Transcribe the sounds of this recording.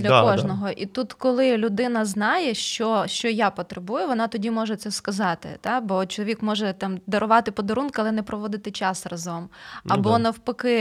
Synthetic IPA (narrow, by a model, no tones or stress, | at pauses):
d̪lʲɐkɔʒnɔɦɔʔit̪ut̪kɔlˠɪlʲʊd̪ɪnɐznɑjɛʃt͡ʃɔʃt͡ʃɔjapɔt̪ɾebujʊʋɔnɑt̪ɔdʲimɔʒɛt̪sɛskɐzɑt̪ɪ̰t̪ɑbɔt͡ʃɔlˠʋʲikmɔʒɛt̪ɑmd̪ɐɾʊʋɑt̪ɪpɔd̪ɐɾunkʊɐlˠɛnɛpɾɔʋɔd̪ɪt̪ɪt͡ʃɑsrɐzɔmɐbɔnɐwpɐkɪ